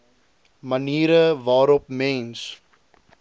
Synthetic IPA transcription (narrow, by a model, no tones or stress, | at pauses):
məniːɾəvɑːɾɔp̚mɛns